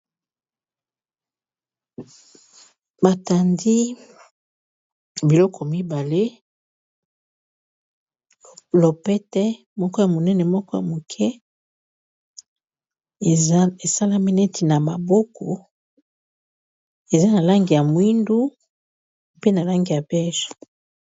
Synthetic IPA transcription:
ba˨ta˨ndi˦ | bi˨lɔ˦kʰɔ˨mi˦ba˨le˦ | lo˨pɛ˦tɛ˦ | mɔ˦kɔ˦ja˨mo˨nɛ˦nɛ˨mɔ˦kɔ˦ja̰˨mo˨kʰɛ˦˨ | e˨sa˦la˦mi˦nɛ˦ti˨na˨ma˨bo˦kɔ˨ | e˨za˦na˨la˦ŋɡi˨ja˨mu˨i˦ndu˦ | pe˦na˨la˦ŋɡi˨ja˨bɛ˦ʒ

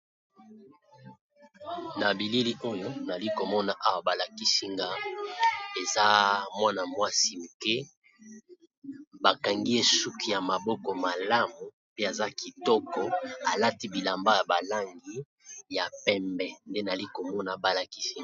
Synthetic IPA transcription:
na˨bi˨li˦li˦ʔo˦jo˦na˨li˦ko˨mɔ˦na˨ʔa˦wa˨ba˨la˨ki˦si˦ŋɡa˦ | e˨za˦mwa˦na˨mwa˦si˦u˨ke˦ | ba˨ka˨ŋɡi˦e˦su˦ki˨ja˨ma˨bɔ˦kɔ˨ma˨la˦mu˨ | pe˦a˨za˦ki˨tɔ˦kɔ˨a˨la˦ti˦bi˨la˨mba˦ja˨ba˨la˦ŋɡi˦ | ja˨pɛ˦mbɛ˨nde˦na˨li˦ko˨mɔ˦na˨ba˦la˨ki˦si˦ŋ

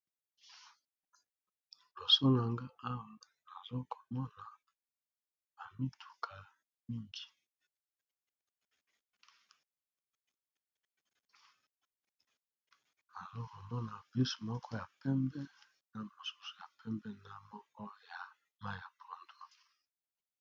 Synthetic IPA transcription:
bo˨sɔ˦na˨ŋɡa˦ʔa˦wo˨ŋ˨na˨zo˦ko˨mɔ˦na˨ | ba˨mi˦tʰu̥˨kʰa˨ | mi˦ŋɡi˨ | na˨zo˦ko˨mɔ˦na˨bi˦so̥˨mɔ˦kʰɔ˦ja˨pɛ˦mbɛ˦ | na˦mo˨su˦so̥˨ja˨pʰɛ˦mbɛ˦na˦mɔ˦kɔ˦˨ja˨ | ma˦ja˨pʰo˨ndo˨

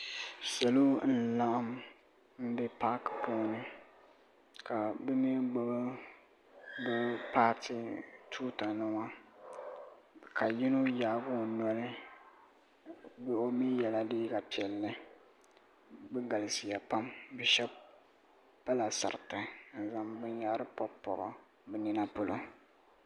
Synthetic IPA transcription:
sa˨lo˦n̩˦la˦ʔa˦m | m̩˦bɛ˦pa˦kpoː˦nɨ˦ | ka˨bɛ˦mi˦ɡ͡ba˦bɨ˦ | bɛ˦paː˦tʰi˨tʰuː˦ta˨nɨ˦wa˦ | ka˨jɪ˦no˦jaː˨˦bʊ˦˨nɔ˦lɨ˦ | bo˦mi˦jɛ˨la˦diː˦ɡa˨pi˨ɛ˨lːɨ˦ | bɨ˦ɡa˨lɨ˨sɪ˨ja˨pa˦mbɛ˨ʃɛ˦b | pa˦la˨sa̰˨ɾtɨ˨n̩˨za˨mbɨ˦ɲja˦ɾɨ˦pɔ˦pːɔ̰˨ɣɔ˦ | bɨ˦ni˦na˦pʊ˨lo˦

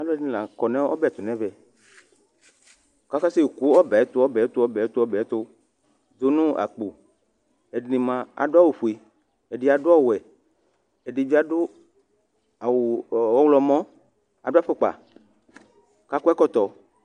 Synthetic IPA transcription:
a˦lo˦ɛ˦dĩ˦lã˨kɔ˨nɛ̃˦ɔ˦bɛ˦˨t̪o˨nɛ̃˦vɛ˨ | ka˦ka˦se˦˨ku˦ɔ˦bɛ˨ɛ˦t̪o˦ɔ˦bɛ˨e˦t̪o˦ɔ˦bɛ˨ɛ˦t̪o˦ɔ˦bɛ˨ɛ˦t̪o˦ | d̪o˦nũ˦a̰˨k͡po˨ | e˨dnĩ˨mã˨a̰˨ɖo˦a˦˨wu˨ɸu˨e˨ | e˨ɖi˨a˨do˦ɔ˦wɛ˨ | e˨ɖi˨vi˦a˨ɖo˦ | a˨wɔ˦wlɔ˨mɔ̃˦ | a̰˨do˦a˦fe˦˨k͡pa̰˨ | ka˦ku˦ɛ˦kɔ˦t̪ɔ˨

